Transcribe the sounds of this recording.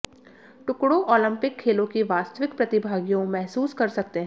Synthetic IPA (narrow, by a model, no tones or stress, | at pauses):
ʈʊkɽoʔɔːlə̃mpɪkʰːeːlõkiʋaːst̪əʋɪkpɾɐt̪ɪbʱaːɡjõmɛɦsuːskɐɾsɐk̚t̪eɦɛ̃ː